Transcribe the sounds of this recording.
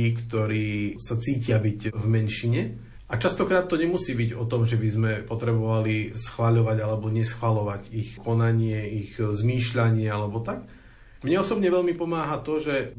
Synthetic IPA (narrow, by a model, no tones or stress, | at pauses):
iːkt̪ɔɾiːsat͡siːcɪabiɟvmɛnʃiɲɛ | ʔat͡ʃast̪ɔkɾaːt̪ːɔɲɛmusiːbiɟɔt̪ɔmʒɛbizmɛpɔt̪ɾɛbɔʋalisxʋaʎɔʋaɟalɛbɔɲɛsxʋalɔʋaɟixkʰɔnaɲɪɛixzmiːʃʎaɲɪɛalɛbɔt̪ak | mɲɛɔsɔbɲɛʋɛʎmipɔmaːɦat̪ɔʒɛ